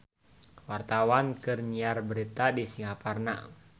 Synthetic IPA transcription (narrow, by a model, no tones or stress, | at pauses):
wart̪awankɨrɲiarbəɾit̪adisiŋaparna̰